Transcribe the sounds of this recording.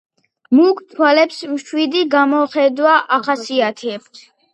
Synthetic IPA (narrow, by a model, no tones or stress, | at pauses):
mukʰt̪ʰwalɛpsmʃwid̪iɡamɔχɛd̪waʔaχasiat̪ʰɛɛbs